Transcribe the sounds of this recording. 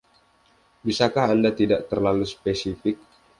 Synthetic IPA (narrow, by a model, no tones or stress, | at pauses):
bisakaɦandat̪idaʔt̪ərlaluspesifɪk̚